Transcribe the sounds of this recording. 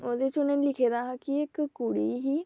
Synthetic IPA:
oːd̪et͡ʃʊnẽnlɪkʰeːd̪aːɦãkiɪkkːʊɽiːɦiː

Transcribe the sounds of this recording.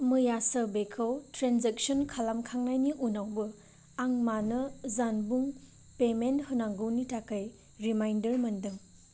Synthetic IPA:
mɯjasɐbekʰɐwtɾenzek̚sonkʰalamkʰaŋnajniʔunawbɯ | aŋmanɐzanbuŋ | pementhɯnaŋɡɯwnitakaj | ɾimajndɐɾmɐndɯŋ

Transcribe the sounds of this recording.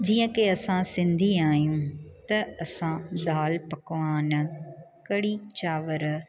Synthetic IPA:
d͡ʑiːə̃keɐsãsɪ̃nd̪ʱiaːjũt̪ɐɐsãd̪aːlpɐkʋaːn | kɐɽit͡ɕaːʋəɾ

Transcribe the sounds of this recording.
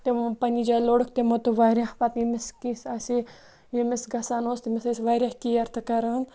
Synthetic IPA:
t̪epɐnid͡ʒaːloːɽukʰt̪emot̪uʋaɾʲahpɐt̪jimiskisɐsi | jimisɡɐsaːnoːst̪imisɐsʋaɾʲjahkijɐɾt̪ʰɐkɐɾaːn

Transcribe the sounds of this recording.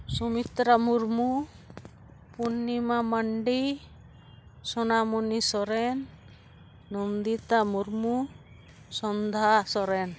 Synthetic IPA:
sɔmit̪ɾamuɾmu | punːimamaɳɖi | sɔnamunisɔɾɛnː | ɔnd̪it̪amuɾmu | sɔnd̪ʱasɔɾɛn

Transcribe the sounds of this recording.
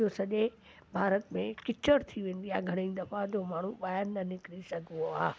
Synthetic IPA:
osɐʄe | bʱaːɾət̪mẽkɪt͡ɕəɾt̪ʰiʋẽːnd̪ijaɡʱɐɽ̃ẽd̪ɐfad͡ʑomaːɳ̤ũɓaːjanːɐnɪkɾisɐɡʱoaː

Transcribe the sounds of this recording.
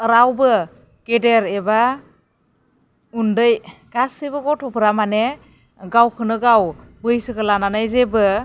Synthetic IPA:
ɾawbɯ | kedeɾeba | undɯjɡ̥asɯbɯɡɔtʰɔpʰɾamane | ɡawkʰɯnɯɡawbɯjsɯkəlananajzebɯ

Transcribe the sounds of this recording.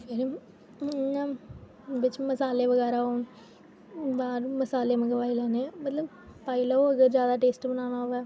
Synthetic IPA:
eɾi | ɲãː | ʋɪt͡ʃməsaːleːʋəɣɛːɾaɦoːn | baːɾməsaːleːməɡpaːilaːnẽmət̪ləb | paːilaoəɡəɾzjaːd̪aːʈeːsʈbənaːnaoʋɛː

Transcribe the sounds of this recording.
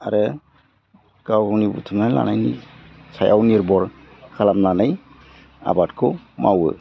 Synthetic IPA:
aɾɯ | kawɡɔnibutʰɯmala̰najnisʰajʔawniɾbɔɾ | kʰalamlanaj | a̰batkʰɔmawɯ̰

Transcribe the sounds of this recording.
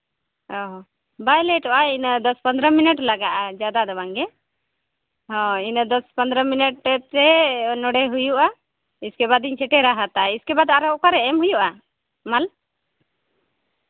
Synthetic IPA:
ɔɦɔ̃ | bajlɛʈɔʔainəd̪ɔspənd̪ɾəminɛʈlaɡaʔad͡ʒad̪ad̪ɔbaŋɡɛ | hɔ̃inəd̪ɔspənd̪ɾəminɛʈɾɛt̪ɾɛnɔɽɛɦujuʔa | iskɛβad̪iɲt͡ʃʰɛʈɛɾaɦat̪aiskɛbad̪aɾɔkaɾɛʔɛmɦujuʔa | mal

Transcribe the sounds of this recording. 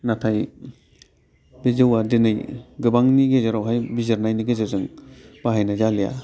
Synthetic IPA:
natʰaj | bezɯwadenɯjɡɯbaŋniɡezaɾawɦajbizaɾnajniɡezazɯŋb̥aɦajnazalija̰

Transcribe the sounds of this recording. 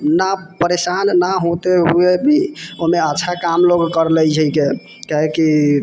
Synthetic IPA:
napəɾesanːaɦot̪eɦuebʱioɦmeətːʃʰakamloɡkəɾlɛjd͡ʒʱəike | kaɦeki

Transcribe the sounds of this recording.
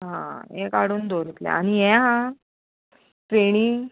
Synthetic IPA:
ɦã̰jɛ̃kaɽuːnd̪oɾit̪lɛ̰a̰ñijɛ̃ɦã | pɾeɽ̃iː

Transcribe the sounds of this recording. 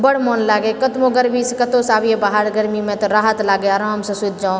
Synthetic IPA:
bəɽ̤monlaːɡekɐt̪mõɡəɾmiskɐt̪osaːbijẽbaːɦaɾɡəɾmimẽt̪oɾaːɦət̪laːɡeaːɾaːmsɐ̃sʊt̪̚d͡ʒaːõ

